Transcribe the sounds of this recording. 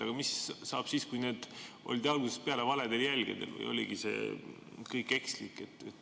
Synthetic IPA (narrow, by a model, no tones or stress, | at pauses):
ɑɡ̥ɑmissɑːb̥siːskujneːd̪̥ʔo̞̰lid̪ɑlɡ̥usespeɑle̞vɑled̪e̞ljælʲɡ̥ed̪ḛlvɤ̰jo̞̰lʲiɡ̥ise̞̰ː | kɤjkːˑe̞kslikːˑe̞t̪ːˑet̪ː